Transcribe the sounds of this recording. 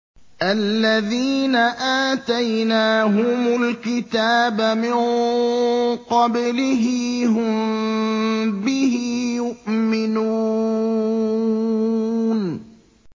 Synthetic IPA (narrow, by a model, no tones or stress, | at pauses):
ʔalːaðiːnaʔaːt̪ajnaːɦʊmʊlkɪt̪aːbamɪn | qɑblɪɦɪɦʊm | bɪhɪjʊʔmɪnuː | n